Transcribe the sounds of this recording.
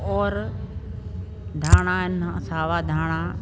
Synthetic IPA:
ɔːɾ | d̪ʱaːɽ̃aɪnɐ̰saːʋad̪ʱaːɽ̃a

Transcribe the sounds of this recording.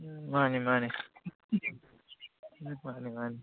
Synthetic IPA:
manimani | manimani

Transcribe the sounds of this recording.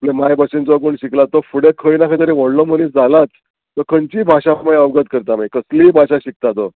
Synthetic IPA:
aplẽmajbəsend͡zaɡuːɳɕiklat̪ɔfuɽekʰəjnakʰəjt̪əɾẽʋɔɽlɔmənisd͡zalat͡s | t̪əkʰənt͡ɕiːbʱaɕãmajəʋɡət̪̚kəɾt̪amajkəsliːbʱaɕãɕik̚t̪at̪ɔ

